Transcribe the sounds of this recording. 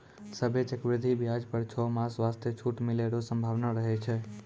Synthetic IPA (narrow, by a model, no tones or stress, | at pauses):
səbet͡ʃəkbɾid̪ʱibjad͡ʒpəɾt͡ʃʰomaswast̪ʰjet͡ʃʰuʈmileɾosəmbʱaʋnaɾəɦɛt͡ʃʰɛ